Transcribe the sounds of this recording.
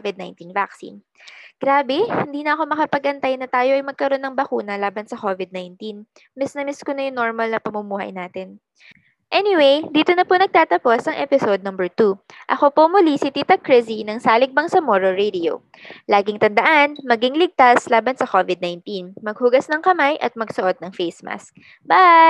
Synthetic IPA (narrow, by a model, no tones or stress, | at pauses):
vɪd̪̚na̰jnt̪invaksḭn | ɡ̥ɾaːbɛhɪnd̪iːnɐʔɐko̞mɐkɐpɐɡɐnt̪ajnɐt̪aːjo̞ʔɐjmɐɡ̚kɐɾo̞nːɐŋbɐkuːnɐlaːbɐnsɐko̞vɪd̪̚najnt̪in | mɛsnɐmɪskonɐjʊŋno̞ɹmɐlnɐpɐmʊmuːhɐ̰jnaːt̪ɛn | ʔɛnɪwejd̪iːt̪o̞nɐponɐɡ̚t̪aːt̪ɐpo̞sɐŋʔɛpɪsod̪̚nɐmbɛɹt̪uʔɐxo̞po̞mʊlisit̪it̪ɐkɹɪzinɐŋsaːlɪɡ̚bɐŋsɐmoɹoɹed̪ɪo̰ | laːɡɪŋt̪ɐnd̪ɐʔanmɐɡiŋlɪɡ̚t̪aslaːbɐnsɐkovɪd̪̚najnt̪inmɐɡ̚hʊɡasnɐŋkɐmajʔɐt̪̚mɐɡsʊʔo̞d̪̚nɐŋfejsma̰sk̚ | ba